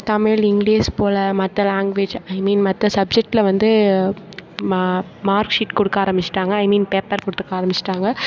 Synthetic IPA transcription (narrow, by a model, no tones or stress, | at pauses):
t̪ɐmɪɭɪŋɡɭiːspoːlɐmɐt̪ːɐlaːŋɡʋeːd͡ʒɐɪmiːnmɐt̪ːɐsɐb̚d͡ʒɛk̚ʈɪlɐʋɐnd̪ɯ | maːɾkʂɪʈkɔɽɯkːaːɾɐmbɪt͡ʃːɪ̥ʈːaːŋɡɐːɪmiːnpeːpːɐɾkɔɽɯt̪ːɯkːaːɾɐmbɪt͡ʃːɪ̥ʈːaːŋɡɐ